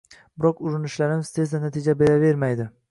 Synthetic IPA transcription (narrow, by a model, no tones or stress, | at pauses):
bɪɾɒkʊɾɪnɪʃlaɾɪmɪz̥t̪ʰe̞zd̪anat̪ʰid͡ʒabe̞ɾave̞ɾmajd̪ɪ